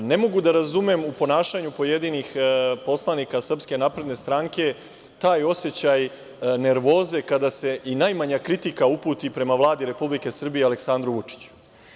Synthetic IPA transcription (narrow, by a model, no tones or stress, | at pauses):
ne̞mo̞ɡud̪aɾazumemupo̞naːʃaɲupo̞je̞d̪inixpo̞slˠanikasr̩pske̞naːpɾe̞d̪ne̞st̪ɾaŋke̞ | t̪aːjo̞se̞t͡ɕaj | ne̞ɾʋo̞ːze̞kad̪ase̞ʔinajmaɲakɾit̪ikaupuːt̪ipɾe̞maʋlˠaːd̪iɾe̞publike̞sr̩bijeale̞ksand̪ɾuʋut͡ʂi̥t͡ɕu̥